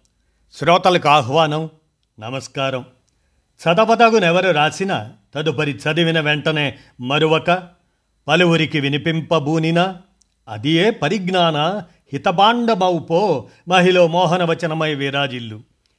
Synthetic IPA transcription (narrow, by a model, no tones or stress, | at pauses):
sɾɔːt̪ɐlɐkuaːɦʋaːnɐm | nɐmɐskaːɾɐm | t͡ʃʰɐd̪ɐpɐd̪ɐɡunɛʋɐɾuɾaːsinɐt̪ɐd̪upɐɾit͡ʃʰɐd̪iʋinɐʋeɳʈɐneː | mɐɾuʋɐkɐ | pɐluʋuɾikiʋinipimpɐbuːninɐ | ɐ̰d̪ijeːpɐɾiɡnaːnɐ | hit̪ɐpaːɳɖɐbɐwpoːmɐɦiloːmɔːɦɐnɐʋɐt͡ʃɐnɐmɐjʋiːɾaːd͡ʒilːu